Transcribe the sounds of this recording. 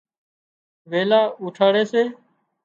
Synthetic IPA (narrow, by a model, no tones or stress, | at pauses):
ʋeːlaːuːʈʰaːɽeːseː